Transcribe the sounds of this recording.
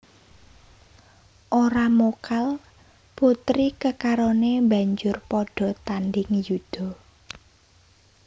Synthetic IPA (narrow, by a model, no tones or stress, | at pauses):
ʔoɾamokal | put̪ɾikəkaɾonemba̤ɲd͡ʒʊrpɔɖ̥ɔ̤t̪anɖɪŋjud̪̥ɔ̤